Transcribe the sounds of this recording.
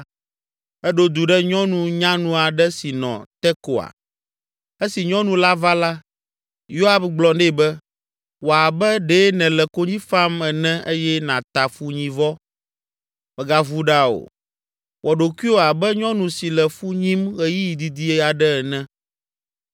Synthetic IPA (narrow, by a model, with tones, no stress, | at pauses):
ɛ˦ɖo˦d̪u˨ɖɛ˦ɲɔ̃˦nũ˨ɲã˦nũ˨a˨ɖɛ˦si˨nɔ̰̃˨t̪ɛ˦ko˨a̰˨ | e˦si˨ɲɔ̃˦nũ˨la˦va˦la˦ | jo˦a˦bɡ͡blɔ˨nɛ˦˨bɛ˦ | wo˨a˨bɛ˦ɖe˦nɛ̃˨lɛ˨ko˦ɲĩ˦fa˦mɛ˨nɛ̃˦e˦jɛ˦nã˨t̪a˨fu˦ɲĩ˨vɔ˦ | mɛ̃˨ɡa˨vu˦ɖa˦o̰˨ | wʔɔ˨ɖo˨ki˦o˦a˨bɛ˦ɲɔ̃˦nũ˨si˨lɛ˨fu˦ɲĩ˦mɣɛ˨ji˦ji˨d̪i˨d̪i˦ɛ˦a˨ɖɛ˦ɛ˨nɛ̃˦